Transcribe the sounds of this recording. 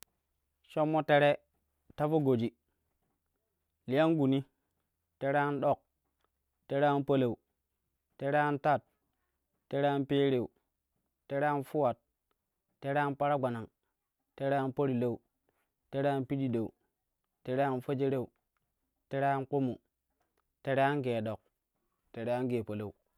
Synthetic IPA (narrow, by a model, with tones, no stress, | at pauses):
ʃo˦mːo˦te˦ɾe˦ | ta˦fo˦ɡo˨d͡ʒi˨ | li˦ja˦nɡu˨ni˦ | te˦ɾe˦a˦nɗo˦˨k̚ | te˦ɾe˦a˦npo˦le˨u˨ | te˦ɾe˦a˦nta˦˨t̚ | tːe˦ɾe˦a˦npe˦ɾe˨u˨ | te˦ɾe˦nfu˦wa˨t̚ | tːe˦ɾnpa˦ɾa˦ɡ͡ba˨na˨ŋ | te˦ɾe˦a˦npo˦ɾi˨le˦u˨ | te˦ɾe˦a˦npi˦di˦˨de˨u˨ | te˦ɾe˦a˦nfo˦d͡ʒe˦ɾe˦˨u˨ | te˦ɾa˦nko˦mu˨ | te˦ɾe˦a˦nɡe˨ɗo˨k̚ | te˨ɾe˦a˦nɡe˨po˨la˨u˨